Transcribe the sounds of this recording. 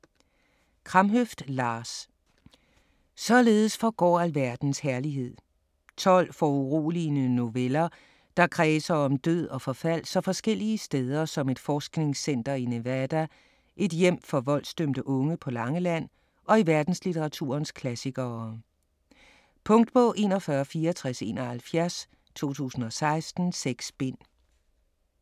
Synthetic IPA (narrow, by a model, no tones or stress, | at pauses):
kʰʁɑ̈mɦøfd̥lɑːs | sɒ̽le̝ːð̞̩ˠəsfɒɡ̥ɒ̰ːælʋæɐd̥n̩shæɐliɦe̝ð̞̰ˠ | t͡sʰɒ̽l̰fɒuʁṵːlinəno̝ʋelɐ | d̥ɑ̈kʰʁɛːsɐɒ̽md̥øð̰ˠɒ̽fɒ̽fæl̰sɒ̽fɒ̽sɡ̥el̰iəsd̥eːð̞ˠɐsɒ̽me̝d̥fɒːsɡ̥ne̝ŋsen̰d̥ɐine̝ʋæd̥æ | ʔe̝d̥jem̰fɒ̽ʋɒ̽l̰sd̥ømd̥əʔɔ̽ŋəpʰɒ̽lɑ̈ŋəlæn̰ | ʔɒ̽iʋæɐd̥n̩slit͡sʰeʁɑ̈t͡sʰṵːɐnskʰlæsiɡ̥ɐ | pʰɔ̽ŋ̰d̥b̥ʰɔ̽ʔe̝̰ːnɒ̽fɶːɐfiːɐɒt͡sʰʁase̝̰ːnɒ̽hælfjæɐs | t͡sʰo̝̰ːt͡sʰṵːsn̩ɒ̽sɑ̈ɪsd̥n̩seɡ̥sb̥e̝n̰